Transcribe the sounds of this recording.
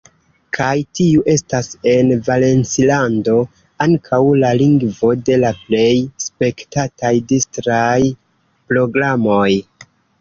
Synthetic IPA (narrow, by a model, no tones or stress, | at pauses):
kʰajtiuʔe̞stase̞nvale̞nt͡silando̞ | aŋkʰawlaliŋɡvo̞de̞laple̞jspe̞ktatajdistɾaj | pɾo̞ɡɾamo̞j